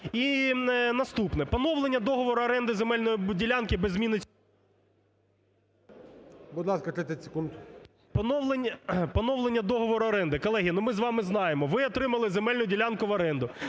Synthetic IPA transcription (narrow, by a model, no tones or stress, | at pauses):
inɐst̪upnɛpɔnɔʋlˠenʲːɐd̪ɔɦɔʋɔɾʊɐɾɛnd̪ɪzemɛlʲnɔjidʲilʲɑnkɪbɛzʲmʲinɪ | bʊd̪lˠɑskɐt̪ɾɪt̪ʲɛtʲsʲe̥kund̪ʊ | pɔnɔwlˠenʲːɐpɔnɔʋlˠenʲːɐd̪ɔɦɔʋɔɾʊɐɾɛnd̪ɪkɔlˠɛɦʲinʊmɪzʋɑmɪznɑjemɔʋɪɔt̪ɾɪmɐlˠɪzemɛlʲnʊdʲilʲɑnkʊʋɐɾɛnd̪ʊ